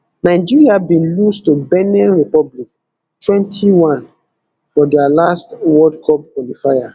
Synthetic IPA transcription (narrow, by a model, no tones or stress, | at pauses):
naɪd͡ʒiɹiabĩnlustubɛnɛ̃nɹipɔblik | tʰwɛ̃ntʰiwãn | fɔdɛalastwɔdkʰɔp̚kɔlifaja